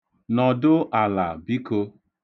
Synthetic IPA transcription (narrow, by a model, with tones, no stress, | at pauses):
nɔ˨dʊ˦a˨la˨bi˦ko˧